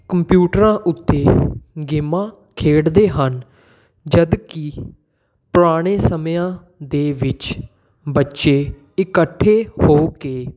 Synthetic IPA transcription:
kəmpjuːʈɾãːʔʊt̪ːeːɡɪmãː | kʰeːɽd̪eːɦən | d͡ʒəd̪ki | pʊɾaːɽ̃eːsəmjãː | d̪eːʋɪt͡ʃ | bətːʃeː | ɪkəʈʰːeːhoːkeː

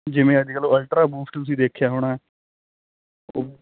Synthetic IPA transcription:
d͡ʒɪʋẽːəd̪ɪkəloːəlʈɾaːbuːfʰʈt̪ʊs̬ĩːd̪eːkʰjaːɦoːɽaːɛː | o̰ː

